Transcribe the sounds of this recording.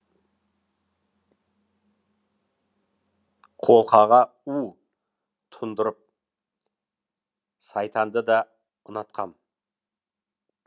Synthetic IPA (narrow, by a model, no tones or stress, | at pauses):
qʰo̞lˠqɑʁɑu | t̪ʰʊnd̪əɾəp̚ | sɑjt̪ʰɑnd̪əd̪ɑ | ənɑt̪̚qʰɑ̰n